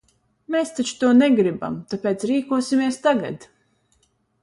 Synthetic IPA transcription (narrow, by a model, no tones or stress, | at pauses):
mest̪at͡ʃu̥t̪uɔnɛɡɾiba̰mt̪apeːt̪sɾiːkuɔsimiɛst̪aɡa̰d̪